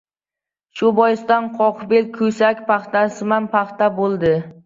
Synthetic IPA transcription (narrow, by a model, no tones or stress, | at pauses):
ʃʊbɒjɪst̪anqʰɒqbelkʰɵsakʲpʰɑχt̪asɪmanpʰɑχt̪abolˠd̪ɪ